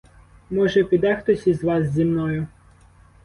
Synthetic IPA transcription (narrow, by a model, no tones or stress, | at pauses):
mɔʒɛpʲid̪ɛxt̪ɔsʲizʋɑzʲzʲimnɔjʊ